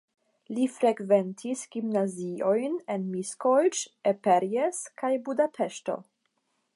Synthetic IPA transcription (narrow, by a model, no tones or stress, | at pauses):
lifɾeɡventʰisɡ̥imnaziojnenmiskovit͡ʃepeɾjeskajbudapʰeʃto̰